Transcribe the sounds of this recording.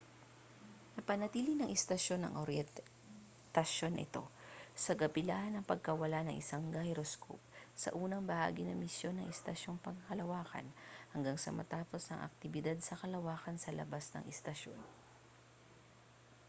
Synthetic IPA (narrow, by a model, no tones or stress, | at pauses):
nɐpɐnɐt̪iːlɪnɐŋʔɛst̪ɐʃo̞nɐ̰ŋʔoɾjɛ | t̪ɐʃo̞nɐʔɪ̰t̪o̞̰sɐɡɐpɪlaːhɐnɐŋpɐɡ̚kɐwɐlanɐŋʔɪsaŋɡajɾoskʰo̰p̚sɐ̰ʔuːnɐŋbɐha̰ːɡɪnɐmɪsjo̞nɐŋʔɛst̪ɐʃo̞ŋpɐɡkɐlɐwaːkɐ̰nhɐŋɡaŋsɐ̰mɐ̰t̪aːpo̞snɐŋʔɐ̰k̚t̪ɪbɪd̪ad̪̚sɐkɐlɐwaːkɐnsɐlɐ̰basnɐ̰ŋɛst̪ɐʃo̞̰n